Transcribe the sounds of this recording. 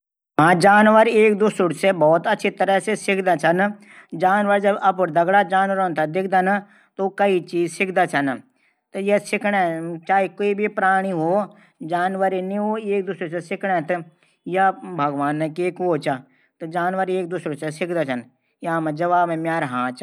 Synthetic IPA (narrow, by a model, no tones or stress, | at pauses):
ɦãːd͡ʒaːnʋəɾeːk̚d̪ʊsʊɽsebɔːt̪ɐtːt͡ʃʃʰit̪əɾəsesɪkʰd̪at͡ʃʰɐn | d͡ʒaːnʋəɾd͡ʒɐbɐp̬ʊɾd̪ɐɡɽad͡ʒaːnʋəɾoːnt̪ɐd̪ɪk̚ʰd̪an | t̪okɐit͡ʃiːzsɪkʰd̪at͡ʃʰɐn | t̪jesɪkʰɽẽt͡ʃaːikoːibʱipɾaːɽ̃iɦoː | d͡ʒaːnʋəɾinĩɦoːeːk̚d̪ʊsʊɽsesɪkʰɽ̃ɛt̪ | jabʱɐɡʋaːnːekeːkɦoːt͡ʃa | t̪ɨd͡ʒaːnʋəɾeːk̚d̪ʊsʊɽsesɪkʰd̪at͡ʃʰɐn | jãːmãd͡ʒɐʋaːbẽmjaːɾɦãːt͡ʃ